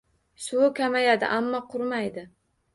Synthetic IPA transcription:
sʊʊkʲʰamajad̪ɪ̰ʔamːɒqʰʊɾmajd̪ɪ

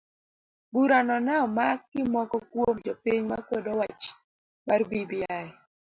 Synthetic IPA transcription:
buɾanɔnaɔmaɪmɔkɔkwod͡ʒopiɲma̰kwɔdɔwat͡ʃ | marbibijaɛ

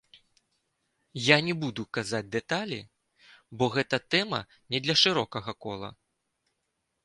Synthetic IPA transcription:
janʲɛbud̪ukazad͡zʲd̪ɛt̪alʲḭ | bɔɣɛt̪ɐt̪ɛmɐ̰ | nʲɛd̪lʲɐʂɨɾɔkɐɣɐkɔlˠɐ̰

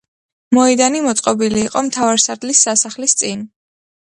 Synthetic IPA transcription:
mɔɛd̪animɔt̪sʼqʼɔbiliːqʼɔmt̪ʰavaɾsaɾd̪lisːasaχlist̪sʼin

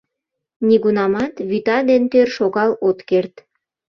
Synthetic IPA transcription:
niɣunɑmɑt̪βyt̪ɑd̪ent̪ørʃoɣɑlot̪kert̪

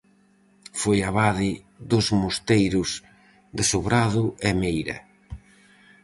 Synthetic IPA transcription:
fojaβaðɪ | ðʊzmost̪ejɾʊs | d̪ɪsuβɾaðʊɛmejɾɐ̰

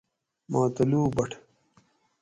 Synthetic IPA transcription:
maːt̪ɐluːbɐʈʰ

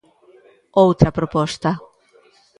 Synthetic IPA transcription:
owt̪ɾɐpɾopɔst̪ɐ

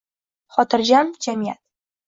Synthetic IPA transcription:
χɒt̪ʰɨɾd͡ʒamd͡ʒamijat̪̚

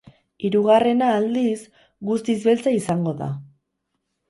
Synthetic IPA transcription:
iɾuɣare̞naːld̪is | ɡust̪izβe̞lt͡saisaŋɡo̞ða̰

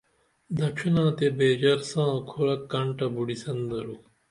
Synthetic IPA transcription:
d̪ɐkʂʰinãːt̪ebeːd͡ʑɐɾsãːkʰoɭɐkːɐɳʈɐbuɽisɐnd̪ɐɾuː

